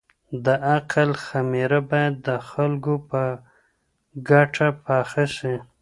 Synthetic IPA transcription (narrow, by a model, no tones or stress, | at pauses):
d̪əaqalxamiɾabɑjad̪ːəxalɡopə | ɡaʈʰapɑxasi